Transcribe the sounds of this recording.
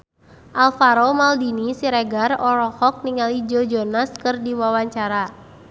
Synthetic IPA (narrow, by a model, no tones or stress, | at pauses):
ʔalfaɾomaldinisiɾeɡarɔɾɔhɔk̚niŋalid͡ʒɔd͡ʒɔnaskɨrdiwawaɲt͡ʃaɾa